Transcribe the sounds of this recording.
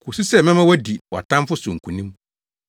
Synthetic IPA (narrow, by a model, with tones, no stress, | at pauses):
kʰu˨su˦sɛ˦˨mɛ̃˦mã˦wɔ˦di˨wɔ˨tʰã˦m˦fʊ˦sʊ˨ŋ̩˨kʰũ˨nĩ˦m